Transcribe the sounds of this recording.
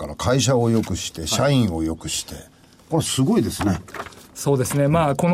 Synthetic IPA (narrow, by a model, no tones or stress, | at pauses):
kaɾakʰaiɕ̬ao̞jo̞kɯ̟ɕi̥t̪e̞ɕaĩɰ̃o̞jo̞kɯ̟ɕi̥t̪e̞ | koasɨɡo̞id̪esɨneso̞ːd̪e̞sɨne̞maːko̞n